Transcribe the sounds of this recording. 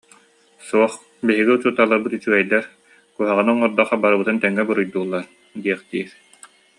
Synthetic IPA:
suɔχ | biɦiɡiut͡ɕut̪alˠaɾbɯt̪yt͡ɕyɛjd̪ɛɾ | kuɦaʁɯnɔŋɔɾd̪aχabaɾɯbɯt̪ɯnt̪ɛŋːɛbɯɾujd̪uːlˠːaɾ | d̪iɛχd̪iːɾ

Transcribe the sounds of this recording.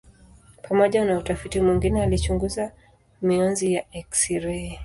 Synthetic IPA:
pʰamɔʄanautafitimwiŋɡinɛalit͡ʃuŋɡuza | miɔnzijaɛksiɾɛ

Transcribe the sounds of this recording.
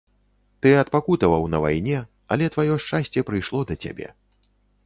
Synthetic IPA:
t̪ɨɐt̪pakut̪ɐvɐwnɐva̰jnʲɛ | ɐ̰lʲɛt̪vajɔʂt͡ʂasʲt͡sʲɛpɾɨjʂlˠɔd̪ɐt͡sʲa̰bʲɛ̰

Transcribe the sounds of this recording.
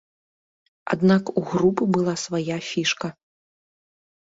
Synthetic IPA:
a̰d̪nakuɣɾupɨbɨlˠasvajafʲiʂkɐ

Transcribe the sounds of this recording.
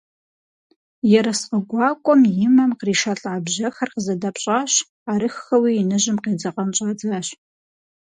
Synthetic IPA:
jɛɾɐsqəɡʷɑːkʷʼɔmjɪmɐmqriːʃɐɬʼʕabʒʑɐxɐrqəzɐdɐpɕʼaːɕ | aːɾɨxxɐwiːnɨʑɪmqeːd͡zɐqɐnt͡ʃʼad͡zaɕ

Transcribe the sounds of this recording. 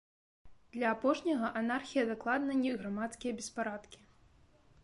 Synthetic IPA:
d̪̥lʲɐːpɔʂnʲɐɣɐʔanarxʲijɐd̪aklˠad̪nɐnʲɛɣɾamat̪skʲijɐbʲɛspaɾat̪kʲi̥

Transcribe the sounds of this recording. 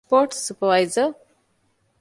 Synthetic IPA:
pɔʈsupəʋajzə

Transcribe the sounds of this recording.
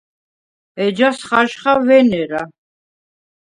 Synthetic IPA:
ɛd͡ʒasχaʒχavɛnɛɾa

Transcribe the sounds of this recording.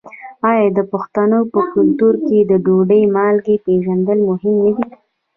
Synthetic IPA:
ɑjɑd̪əpʊxt̪anopəkʊlt̪uɾked̪əɖoɖəjmɑlɡepeʒand̪əlmʊɦɪmnad̪i

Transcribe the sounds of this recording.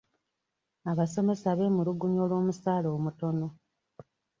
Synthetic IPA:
aβase̞me̞saβe̞muluɡuɲo̞ːlwo̞ːmusaːlo̞ːmuto̞no̞

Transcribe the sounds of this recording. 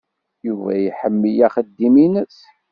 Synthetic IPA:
juvæ̰jħəmːijæχəd̪ːiminəs

